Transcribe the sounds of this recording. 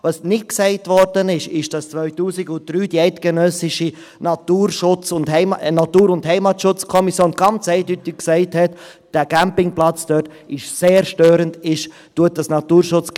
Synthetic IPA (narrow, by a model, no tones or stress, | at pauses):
vɑsnɪt̚ksɛɪtʋɔɾdənɪʃɪʃd̥ɑst͡sʋœʏtuːsɪɡʊn̚d̥ɾyːd̥iɛɪtɡ̥ənœsɪʃi | nɑtuːɾʃʊt͡sʊndhɛɪmnɑtuːɾʊndhɛɪmɑtʃʊt͡skʰɔmisjoːnɡ̥ɑnt͡sɛɪdytɪkksɛɪthɛt | d̥æɡ̥æmpɪŋplɑt͡sd̥œt | ɪʃseːɾʃtøːɾəndɪʃ | tuət̚d̥ɑsnɑtuːɾʃʊt͡s